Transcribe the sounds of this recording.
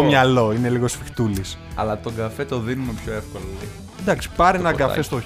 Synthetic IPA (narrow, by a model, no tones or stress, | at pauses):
omɲɐlo̞ine̞liɣo̞sfixt̪ulisɐ̰lɐt̪o̞ɡɐfe̞t̪o̞ðinumepço̞efkolo | d̪ɐksi̥pɐɾinɐɡɐest̪o